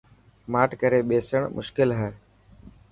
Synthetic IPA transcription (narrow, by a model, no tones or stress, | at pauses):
maːʈkəɾeːɓeːsəɳmʔʊ̰ʃkɪlɦɛː